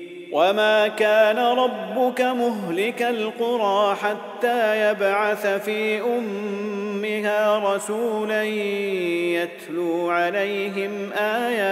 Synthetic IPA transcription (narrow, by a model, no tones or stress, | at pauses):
wamaːkaːnaɾˤɑbːʊkamʊɦlɪkalqʊɾˤɑːħat̪ːaːjabʕaθfiːʔʊmː | ɪɦaːɾˤɑsuːlan | jat̪luːʕalajɦɪmʔaːjaː